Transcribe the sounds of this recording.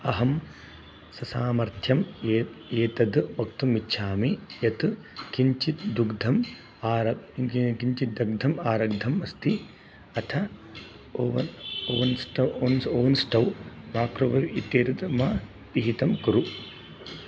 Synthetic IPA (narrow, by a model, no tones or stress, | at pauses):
ɐɦɐm | sɐsaːmɐɾt̪ʰjɐm | eːt̪ɐd̪ʋɐkt̪umitːʃʰaːmijɐt̪ | kiɲt͡ʃit̪d̪uɡd̪ʱɐm | aːɾɐkiɲt͡ʃit̪d̪ɐɡ̚d̪ʱɐmaːɾɐɡd̪ʱɐmɐst̪i | ɐt̪ʰɐ | oʋɐnoːʋɐnsʈɐwonsoːʋɐnsʈɐwmaːkɾoʋɐʋit̪jeːt̪ɐd̪ma | t̪iɦit̪ɐmkuɾu